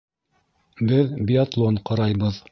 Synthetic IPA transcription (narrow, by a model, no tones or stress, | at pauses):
bɘðbʲiat̪lˠoɴqɑɾɑjbɤð